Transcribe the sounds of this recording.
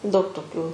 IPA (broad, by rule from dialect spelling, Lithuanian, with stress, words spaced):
dɐʊk toːˈkʲuː